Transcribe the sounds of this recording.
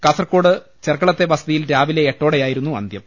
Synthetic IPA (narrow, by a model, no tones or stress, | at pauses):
kɐsɐrko̞ːɽɨ | t͡ɕerkːɐɭɐt̪ːe̞ʋɐsɐðijilɾaːʋile̞ːʈːo̞ːɽejaːjiɾunːuɐ̰nd̪jɐm